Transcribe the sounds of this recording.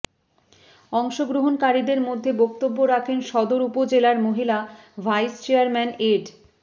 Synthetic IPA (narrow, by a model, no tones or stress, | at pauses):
ɔŋʃoɡɾoɦonkaɾid̪eɾmod̪ʱːebok̚t̪obːoɾakʰenʃɔd̪oɾupod͡ʑelaɾmoɦila | vʱajst͡ɕeaɾmɛneɖ